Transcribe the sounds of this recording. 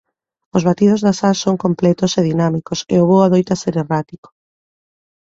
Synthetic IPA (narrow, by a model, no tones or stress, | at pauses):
ʊzβat̪ið̞ʊzðasalsoŋkomplɛt̪ʊseðinamikosḛʊβowaðojt̪aseɾerat̪iko̥